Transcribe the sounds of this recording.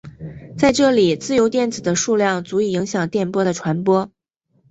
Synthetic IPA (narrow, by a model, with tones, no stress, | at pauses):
t͡sa˥˧ɪʈ͡ʂɤ˥˩li˨˩t͡sɹ̩˥˩jo˧˥ʊt̪jɛ˥˩nt͡sɹ̩˨˩d̪ə˦ʂu˥˧ljɑ˥˩ŋt͡su˧˥i˨˩i˧˥ŋɕjɑ˨˩ŋt̪jɛ˥˩npwɔ˥d̪ə˨ʈ͡ʂʰwa˧˥npwɔ˥